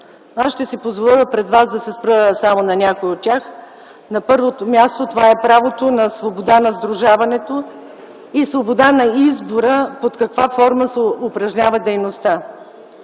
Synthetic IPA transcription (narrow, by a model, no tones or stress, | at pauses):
asʃt̪ɛsipozvolˠəlˠəpɾɛd̪vasd̪ɐsɛspɾəəsamonɐnʲakojot̪tʲjax | nɐpɤɾvot̪omʲjast̪ot̪ovaɛpɾavot̪onɐsvobod̪anɐzd̪ɾʊʒavɐnɛt̪o | isvobod̪anɐizboɾəpot̪kɐkvafɔɾməsɛʊpɾɐʒnʲavəd̪ɛjnost̪a